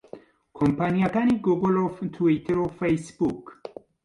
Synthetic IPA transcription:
kʰompanijakaniɡuɡoloft̪ʰuwit̪eɾofejsb̥uk

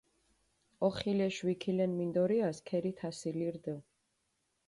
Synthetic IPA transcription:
ɔχilɛʃwikʰilɛnmind̪ɔɾiaskʰɛɾit̪ʰasiliɾd̪ə

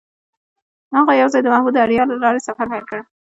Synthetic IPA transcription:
haɣajawzɑjd̪əmahmud̪aɽjɑlalɑɾasafaɾhajlkəɽ

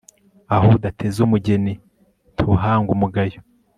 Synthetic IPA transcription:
ahodatʰe̞zumuɟe̞ni | tʰuɦaːŋɡumuɡajo

